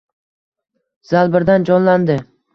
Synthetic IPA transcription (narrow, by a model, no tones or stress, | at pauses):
z̥alˠbɪɾd̪and͡ʒɒnland̪ɪ